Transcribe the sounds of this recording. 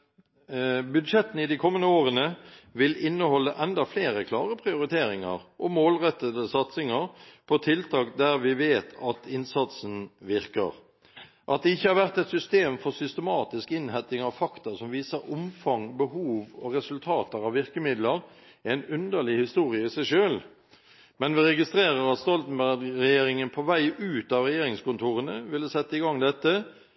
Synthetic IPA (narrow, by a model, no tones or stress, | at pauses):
bʉd̪ʂɛt̪ːən̩ɪd̪ɪkʰɔmːənəoːʁənəʋɪlɪnːəhɔlːəʔɛnd̪ɑfleːɾəkʰlɑːʁəpʰʁɪʊɾɪt̪ʰeːɾɪŋə̰ʁʔɔmoːlʁɛt̪ːəd̪əsɑt̪sɪŋəʁpʰɔt̪ʰɪlt̪ʰɑːkd̪æʁʋɪʋeːt̪ʰɑt̪ɪnsɑt̪sn̩ʋɪʁkə̰ʁ | ʔɑ̰t̪̚d̪ɛɪçːəhæʁʋæʁt̪ɛt̪sʏst̪eːmfɔʁsʏst̪əmɑːt̪ɪskɪnhɛt̪ːɪŋɑʋfɑkt̪əsɔmʋiːsəɾʊmfɑŋbəhuːʋɔʁɛsʉlt̪ʰɑːt̪əɾɑʋʋɪʁkəmɪd̪ləɾ | æɪnʉnd̪əʁlɪhɪst̪uːɾɪəɪsæɪʂøːl | mɛnʋɪɾɛɡɪst̪ɾeːɾəɾɑt̪st̪ɔlt̪n̩bæʁɡʁɛjeːɾɪŋənpʰɔʋæɪʔʉːt̪ɑʋʁɛjeːɾɪŋskʊnt̪ʰuːʁənəʋɪld̪ɛsɛt̪ːəɪɡɑŋd̪ɛt̪ːə